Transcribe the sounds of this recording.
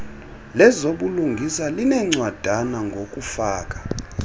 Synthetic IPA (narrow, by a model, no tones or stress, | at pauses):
lɛzoɓuluŋɡʱisalinɛŋ͡ǀwad̥ʱanaŋɡʱokʼufaːkʼḁ